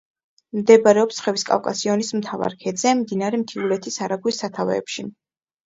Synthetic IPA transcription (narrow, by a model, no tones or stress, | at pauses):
md̪ɛbaɾɛɔpsχɛviskʼa̰fkʼasiɔnismt̪ʰava̰ɾkʰɛd̪zɛmd̪inaɾɛmt̪ʰiulɛt̪ʰisaɾaɡwisat̪ʰavɛ̰ːpʃi